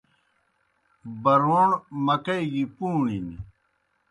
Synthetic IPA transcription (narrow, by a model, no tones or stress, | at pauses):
bɐɾoːɳmɐkɐiɡipuːɳini